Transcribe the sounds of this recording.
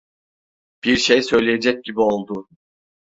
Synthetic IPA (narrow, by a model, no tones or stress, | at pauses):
b̥iɾʃejsø̞jlʲijed͡ʒɛc̚ɟibio̞lˠd̪ʊ